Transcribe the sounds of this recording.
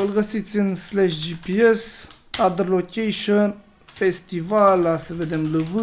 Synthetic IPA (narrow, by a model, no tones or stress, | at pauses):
ɨlɡəsit̪sʲɨnslaʃd͡ʒipies | ad̪lokʲejʃon | fest̪ivalasəved̪emləvɨ